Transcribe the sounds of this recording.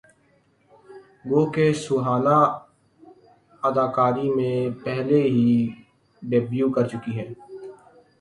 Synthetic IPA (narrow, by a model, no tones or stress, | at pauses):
ʋoːkesʊɦaːna | ɐd̪aːkaːɾimẽpɛɦleɦi | ɖeːbjuːkɐɾt͡ʃʊkiɦɛː